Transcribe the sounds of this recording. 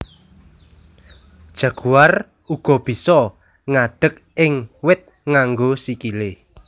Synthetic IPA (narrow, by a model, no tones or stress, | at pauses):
d̥ʒ̥ä̤ɡ̥uar | uɡ̥ɔ̤b̥i̤sɔ | ŋaɖ̥ə̤k̚ | ɪŋwɪt̪̚ | ŋaŋɡosikile